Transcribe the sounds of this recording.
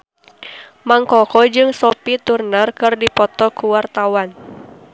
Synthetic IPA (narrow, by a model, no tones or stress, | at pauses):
maŋkɔkɔd͡ʒɨŋsɔpit̪urnərkɨrdipɔt̪ɔkuwart̪awan